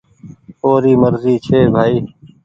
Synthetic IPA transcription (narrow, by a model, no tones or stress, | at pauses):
oːɾiːməɾziːt͡ʃʰeːbʱaːiː